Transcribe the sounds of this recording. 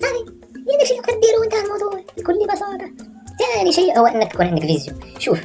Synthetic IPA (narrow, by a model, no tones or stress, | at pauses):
sɑði | jɪnd̪akʃiːjqɑɾ̚b̪iːɾuɪnt̪aːlmɑwd̪ˤuːʕbkʊlːibɑsɑːt̪ˤɑ | t̪ːaʕniʃiːʔhʊwːaʔɪnːak̚t̪akuːnʕɪnd̪aklviːzjʊ̰mʃuːf